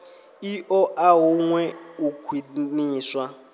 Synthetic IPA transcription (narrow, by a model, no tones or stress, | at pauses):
iʔɔʔaɦuŋwɛukʰwiniːswa